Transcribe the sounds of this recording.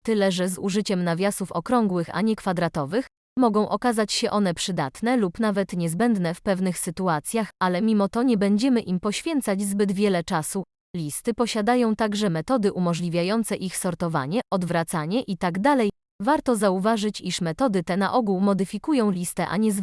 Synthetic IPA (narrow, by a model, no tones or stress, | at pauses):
t̪ɘlɛʐɛzuʐɘt͡ɕɛmnavʲjasufɔkɾɔŋɡwɘxa̰ɲɛkfad̪ɾat̪ɔvɘx | mɔɡɔ̃w̃ʔɔkazat͡ɕɕɛʔɔn̪ɛpʂɘd̪at̪nɛlupnavɛt̪ɲɛzbɛnd̪nɛfpɛvnɘxsɘt̪uat̪sʲjaxalɛmʲimɔt̪ɔɲɛbɛɲd͡ʑɛmɘʔimpɔɕfʲjɛnt̪sad͡ʑzbɘd̪vʲjɛlɛt͡ʂasu | lʲist̪ɘpɔɕad̪ajɔ̃w̃t̪aɡʐɛmɛt̪ɔd̪ɘʔumɔʐlʲivʲjajɔnt̪sɛʔixsɔɾt̪ɔva̰ɲɛɔd̪vɾat̪saɲɛʔit̪aɡd̪alɛj | vaɾt̪ɔzauvaʐɘt͡ɕiʂmɛt̪ɔd̪ɘt̪ɛnaʔɔɡuwmɔd̪ɘfʲikujɔ̃w̃lʲist̪ɛʔa̰ɲɛz